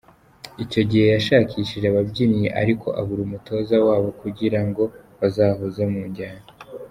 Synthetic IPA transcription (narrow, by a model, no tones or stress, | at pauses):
ico̞ɟihe̞jaʃaːcʰiʃiʒeβabɟinijeʔa̰ɾikʰo̞̰ʔaβuɾumuto̞ːzawaːβo̞kuɟiɾaŋɡo̞βazaːhuzemuːɲɟaːɲo